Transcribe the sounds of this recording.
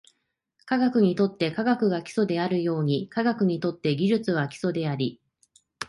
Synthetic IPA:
kaɡakɯ̟ɲ̟it̪o̞t̪ːe̞kaɡakɯ̟ɡakʲi̥so̞d̪e̞aɾɯ̟jo̞ːɲ̟ikaɡakɯ̟ɲ̟it̪o̞t̪ːe̞ɡʲiʑɨt͡sɨβakʲi̥so̞d̪e̞aɾʲi

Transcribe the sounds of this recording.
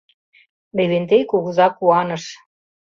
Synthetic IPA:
leβent̪ejkuɣɤzɑkːuɑnɤ̆ʃ

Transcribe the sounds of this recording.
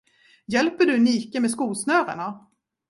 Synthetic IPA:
jɛlpəɖɵniːkəmɛskuːlsnœːɾa̰ɳa

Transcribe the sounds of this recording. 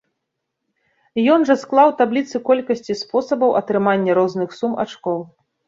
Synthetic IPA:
jɔnʐɐsklˠawt̪ablʲit̪sɨkɔlʲkɐsʲt͡sʲispɔsɐbɐwɐ̰t̪ɾɨmanʲːɐɾɔznɨxsuma̰t͡ʂkɔw

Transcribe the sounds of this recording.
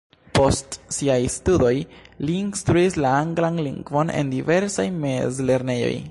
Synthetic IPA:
po̞stsiajstudo̞jliːnstɾuislaaŋɡlanlḭŋɡvo̞ne̞̰ndive̞ɾsajmezle̞ɾne̞jo̞̰j

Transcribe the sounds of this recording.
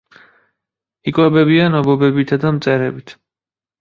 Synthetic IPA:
ikʼwɛbɛbianɔbɔbɛbit̪ʰad̪amt̪sʼɛɾɛbit̪ʰ

